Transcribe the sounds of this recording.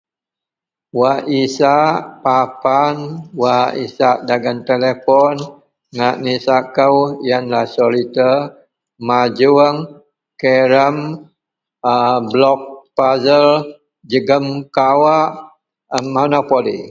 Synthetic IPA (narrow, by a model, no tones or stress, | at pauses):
waʔisaʔpapanwaʔḭsaʔdaɡant̪elepɔn | ŋaʔnisaʔkəwjanlasolit̪ə | mad͡ʒuəŋ | keɾəm | blɔk̚pazəl | d͡ʒəɡəmkawaʔ | monopolḭ